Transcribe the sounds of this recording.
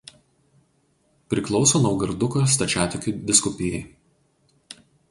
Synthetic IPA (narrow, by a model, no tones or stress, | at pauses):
pʲɾʲɪklˠɒʊsoːnɐʊɡɐɾd̪ʊkost̪ɐt͡ʃʲæːt̪ʲʊkʲuˑd̪ʲɪskʊpʲɪjɛɪ